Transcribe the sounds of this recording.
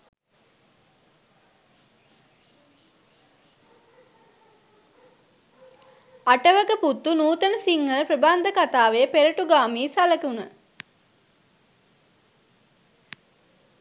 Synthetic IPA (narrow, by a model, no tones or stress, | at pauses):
aʈəʋəkəput̪ːunuːt̪ənəsiŋːələpɾəband̪əkat̪aːʋejəpeɾəʈuɡaːmiːsaləkunə